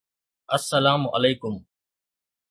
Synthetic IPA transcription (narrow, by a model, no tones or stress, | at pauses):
ɐsːɐlaːmʔɐ̰leːkʊm